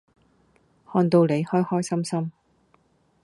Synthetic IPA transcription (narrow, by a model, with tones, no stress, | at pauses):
hɔː˧nt̪o˧wle˨˧jhɔː˥jhɔː˥jsɐ˥msɐ˥m